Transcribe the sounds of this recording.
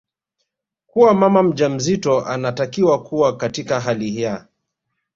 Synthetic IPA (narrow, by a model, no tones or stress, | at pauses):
kuwamamam̩ʄam̩zitɔʔanatakiwakuwakatikaɦalihia